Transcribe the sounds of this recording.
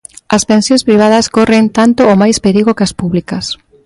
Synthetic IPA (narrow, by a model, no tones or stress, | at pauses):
ɐspẽnsjõnspɾiβ̞að̞ɐskorent̪ant̪oomajspeɾiɣokɐspuβlikɐs